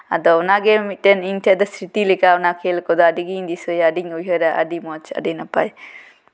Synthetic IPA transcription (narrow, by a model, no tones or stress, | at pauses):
a̰dɔwnaɡemiteniŋtʰijad̪asɾitilikawnakʰelkɔd̪ɔːdiɡiːndisɔjadiŋujɦɔjɾaʔɐ̰dimɔt͡ʃɐ̰dinapaj